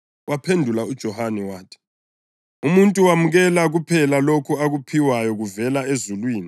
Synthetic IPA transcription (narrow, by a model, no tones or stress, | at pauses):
wapʰendʱulaud̥ʒ̥ʱɔhanɛwaːtʰi̥ | umuntʼuwamuɣɛlaɣupʰɛlalokʰuaɣupʰiwajɔɣuvɛlaezulwiːni